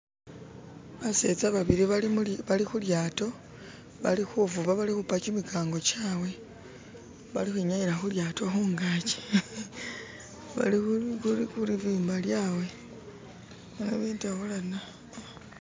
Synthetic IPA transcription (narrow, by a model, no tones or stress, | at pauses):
βase̞t͡saβaβiɾiβaimβalixuljaːto̞ | βa̰lixuvuβaβalixupakimikʰaːŋɡo̞t͡ʃaːwe̞ | βalixwiɲaɲiɾaxuljaːto̞xuːŋɡaːce̥ | βa̰liuuixuliviːmbaljaːwe̞ | aneβiːntaβolana